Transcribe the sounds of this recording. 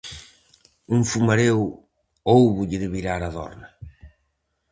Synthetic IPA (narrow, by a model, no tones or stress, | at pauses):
uŋfumaɾew | owβʊʎɪðɪβiɾaɾaðɔ̰ɾna